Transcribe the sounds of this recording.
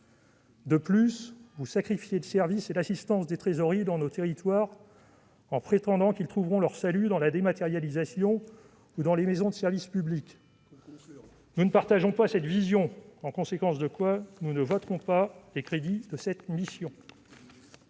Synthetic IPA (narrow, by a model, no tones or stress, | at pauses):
d̪əplysvusakχifjed̪əsɛʁviselasist̪ɑ̃sd̪et̪χezɔʁid̪ɑ̃not̪eʁit̪waːʁ | ɑ̃pχet̪ɑ̃d̪ɑ̃kilt̪χuvʁɔ̃lœʁsalyd̪ɑ̃lad̪emat̪eʁjalizasjɔ̃ | ud̪ɑ̃lemezɔ̃d̪əsɛʁvispyblik | nunəpaʁt̪aʒɔ̃pasɛt̪vizjɔ̃ɑ̃kɔ̃sekɑ̃sd̪əkwanunəvɔt̪χɔ̃palekχed̪id̪əsɛt̪misjɔ̃